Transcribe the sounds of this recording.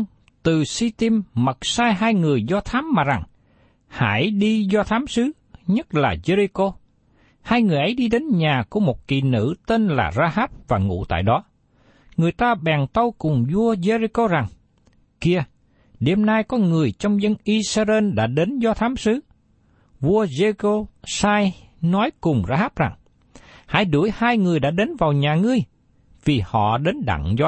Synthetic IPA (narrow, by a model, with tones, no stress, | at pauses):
t̪ɨ˨˩si˧t̪i˧mːə˨˩t̚saː˧jɦaː˧jŋɨ˨˩əjzɔ˧t̪ʰaː˨˦mːaː˨˩za˨˩ŋ | ha̰˧˩jɗi˧zɔ˧t̪ʰaː˨˦msɨ˨˦ | ɲə˦˥t̚laː˨˩ze˧zi˧ko˧ | haː˧jŋɨ˨˩əjʔə˨˦jɗi˧ɗe˨˦nɲaː˨˩ku˧˩əmo˨˩t̚kḭ˨˩nɨ̰˧˥t̪eː˧nla̰ː˨˩zaː˧haː˦˥p̚vaː˨˩ŋṵ˧˥t̪a̰ː˧˨jɗɔ˨˦ | ŋɨ˨˩əjt̪aː˧ɓɛ˨˩ŋt̪ə˧wkʊ˨˩ŋ͡mzu˧əze˧zi˧ko˧za˨˩ŋ | ki˧ə | ɗe˧mnaː˧jkɔ˨˦ŋɨ˨˩əjt͡ɕɔ˧wŋ͡mzə˧nʔi˧saː˧ze˧nɗa̰ː˧˥ɗe˨˦nzɔ˧t̪ʰaː˨˦msɨ˨˦ | vu˧əze˧ko˧saː˧jnɔ˨˦jkʊ˨˩ŋ͡mzaː˧haː˦˥p̚za˨˩ŋ | ha̰ː˧˥˦jɗu˧˩əjhaː˧jŋɨ˨˩əjɗa̰ː˧˥ɗe˨˦nvaː˨˩wɲaː˨˩ŋɨ˧əj | vi˨˩hɔ̰˧˨ɗe˨˦nɗa̰˧˨ŋzɔ˧